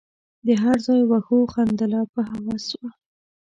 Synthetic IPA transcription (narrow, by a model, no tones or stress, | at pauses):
d̪əɦaɾzɑjwaxoxand̪alɑpəɦawɑswa